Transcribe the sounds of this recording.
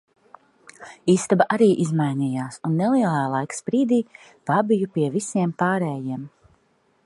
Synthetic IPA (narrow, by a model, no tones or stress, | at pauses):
iːst̪abaʔaɾiːʔizmajnijaːsunːelˠiɛlˠaːlˠajkspɾiːd̪iː | pabijupiɛvisiɛmpaːɾɛːjiɛm